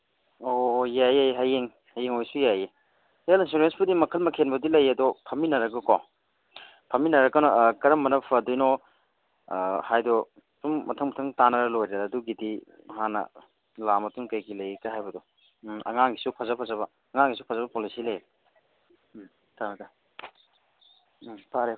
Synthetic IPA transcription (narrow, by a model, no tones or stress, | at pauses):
ojajejɦajeŋ | hajeŋojsujaje | helinsuɾensbudimɐkʰɐlmɐkʰenbɐdilɐjɐdɔpʰɐminɐɾɐkɐkɔ | pʰɐminɐɾɐkɐnɔkɐɾɐmːɐnɐpʰɐdujnɔ | hajdɔ | tumːɐtʰɐŋmɐtʰɐŋtanɐɾɐlojɾaːduɡidi | ɦanɐ̰ | lamɐtuŋkɐjɡilɐjekaɦajbɐdɔ | ɐ̰ŋaŋɡisupʰazapʰɐzɐβɐːŋaŋɡisupʰazabɐpolisilɐje | tanɐda | pʰaɾe